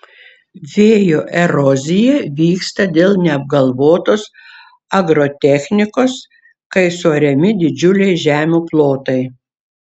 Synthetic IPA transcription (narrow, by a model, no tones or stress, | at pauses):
ʋʲeːjoːʔɛɾɔzʲɪjɛʋʲiːkst̪ɐd̪ʲeːlˠnʲɛɐb̚ɡɐlˠʋoːt̪oːs | ɐɡɾoːt̪ʲɛxʲnʲɪkoːs | kɐɪsoːɾʲɛmʲɪd̪ʲɪd͡ʒʲʊlʲɛɪʒʲæːmʲuːplˠoːt̪ɐɪ